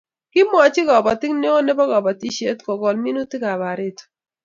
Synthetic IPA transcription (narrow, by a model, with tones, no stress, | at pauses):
kɪ˦mɔ˨t͡ʃɪ˦ɡɔ˨ba˨tɪ˦kne˦o˦ne˦bɔ˦ɡɔ˨ba˨ti˦ʃe˦tkɔ˨ɡɔ˨lmi˦nu˦tɪ˦ɡa˨ba˨ɾe˦t